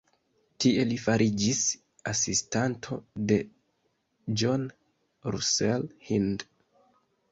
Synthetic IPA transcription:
tie̞lifaɾʔid͡ʒis | asistantʰo̞̰de̞ | d͡ʒon | ɾṵselhind

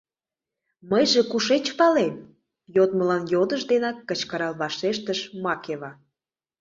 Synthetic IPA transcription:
məjʒĕkuʃet͡ɕpɑlem | jot̪̚məlɑnjod̪əʒd̪enɑkːət͡ɕkəɾɑlβɑʃeʃt̪əʃmɑkeβɑ

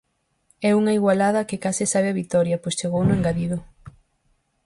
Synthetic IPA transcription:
ɛuŋɐiɣwalaðɐkekasɪsaβeaβik̚t̪ɔɾjɐpojst͡ʃeɣownʊeŋɡaðiðʊ

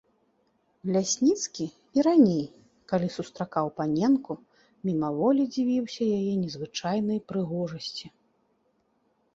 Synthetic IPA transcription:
lʲasʲnʲit̪skʲi | iɾanʲej | kalʲisust̪ɾakawpanʲɛnku | mʲinavɔlʲid͡zʲivʲiwsʲɐjajɛnʲɛzvɨt͡ʂajnɐjpɾɨɣɔʐɐsʲt͡sʲi

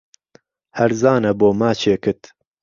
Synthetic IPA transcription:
hɐɾzaːnɐboːmaːt͡ʃʰeːkɨt̪

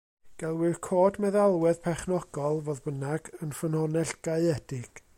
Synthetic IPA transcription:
ɡ̥ɛlˠwɪrkʰoːdmɛðalˠwɛðpʰɛχnɔɡ̥ɔlˠvoːðbənaɡənfənhɔnɛɬɡ̥aɨɛd̥ɪɡ̥

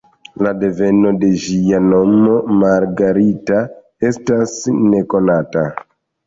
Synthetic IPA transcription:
lade̞ve̞no̞de̞ʒijano̞mo̞maɾɡaɾita | estasne̞ko̞nata

